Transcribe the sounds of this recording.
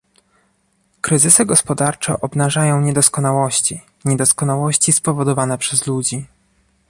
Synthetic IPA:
kɾɘzɘsɘɡɔspɔd̪aɾt͡ʂɛ̰ʔɔbnaʐajɔ̃w̃ɲɛd̪ɔskɔnawɔɕt͡ɕi | ɲɛd̪ɔskɔnawɔɕt͡ɕispɔvɔd̪ɔvanɛpʂɛzlud͡ʑi

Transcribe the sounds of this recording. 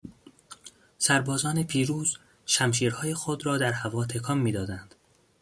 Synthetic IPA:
sæɾbɒːzɒːnepʰiːɾuːz̥ | ʃæmʃiːɾhɒːjexod̪ɾɒːd̪æɾhævɒːt̪ʰekʰɒːmːiːd̪ɒːd̪ænd̪̥

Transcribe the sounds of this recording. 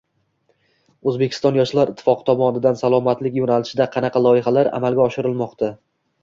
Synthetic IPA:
ɵzbe̞kʲʰɪ̥st̪ɒnjɒʃlaɾʔɪt̪ʰːɪ̥fɒqɨ̥t̪ʰɒmɒnɪd̪ansalˠɒmat̪lɪkʲjonalɪʃɪd̪aqʰɑnɑqʰɑlˠɒɪɦalaɾa̰malɡʲaɒʃɪɾɪlˠmɒqt̪ʰa

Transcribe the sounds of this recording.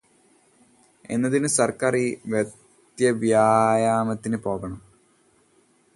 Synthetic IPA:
e̞̰nːɐðinɨsɐrkɐriʋjɐ | t̪jɐʋjaːjaːmɐt̪ːinɨpo̞ːɣɐɳɐm

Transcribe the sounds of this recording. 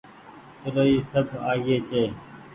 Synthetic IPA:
t̪əɾoːiːsəbʱa̰ːɡeːt͡ʃʰeː

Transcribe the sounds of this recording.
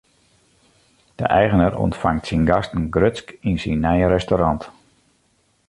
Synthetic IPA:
d̥ə̰ʔɛjɣənərɔ̰ntfaŋtsinɡɑstən̩ɡrøtskinsinːɛjəɾɛstoɾɑnt

